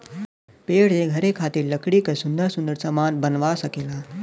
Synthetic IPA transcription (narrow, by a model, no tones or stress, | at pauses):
peɽeɡʱəɾekʰat̪iːɾləkɽikəsund̪əɾsund̪əɾsəmanbənʋasəkela